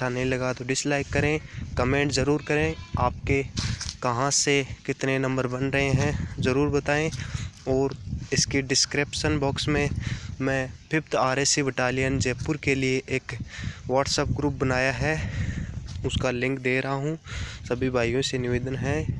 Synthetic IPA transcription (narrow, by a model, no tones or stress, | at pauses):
ʈʰanɐɦĩlɐɡat̪oɖɪslaːɪkːɐɾẽkəmẽːɳʈzɐɾuːɾkɐɾẽaːp̚kekɐɦãsekɪt̪nenɐ̃mbəɾbɐnɾɐɦeɦɛ̃zɐɾuːɾbɐt̪aːẽɔːɾɪskeɖɪskɾeːpʃənbɔːksmẽmɛ̃pʰɪpʰt̪ʰaːɾeːsiʋɪʈaːlijənd͡ʒeːpːʊɾkelieʔeːkʋaːʈsəp̚ɡɾuːp̚bɐnaːjaɦɛ | ʊskalɪ̃ŋkd̪eːɾɐɦaɦũsɐbʱibʱaːijõsenɪʋeːd̪ənɦɛː